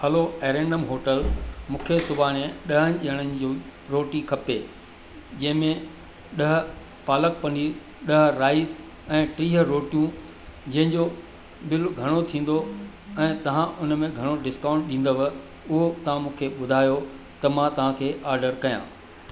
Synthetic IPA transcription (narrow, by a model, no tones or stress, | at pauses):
hɐloeːɾẽːɳɖəmɦoːʈəlmũːkʰesʊbaːɽ̃eɗɐɦən̆ʄiəɽ̃ənɪ̆d͡ʑõɾoːʈikʰɐpe | d͡ʑɐ̃ɦɪ̃mẽ | ɗɐɦ̆ | paːlək̚pɐni | ɗɐɦɾaːɪz | ɛ̃ːʈɾiːɦəɾoːʈijũ | d͡ʑɐ̃ɦɪ̃ɲd͡ʑo | bɪlɡʱɐɽ̃ot̪ʰĩːn̆d̪o | ɛ̃ːt̪ɐʋ̤ãʔʊnmẽɡʱɐɽ̃oʈɖɪskãːʊ̃ɳʈ̚ɗĩːn̆d̪əʋ | ʊɦot̪ɐʋ̤ãmũːkʰeɓʊd̪ʱaːjo | t̪ɐmãt̪ɐʋ̤ãkʰeːʔaːɾɖəɾkɐjã̰ː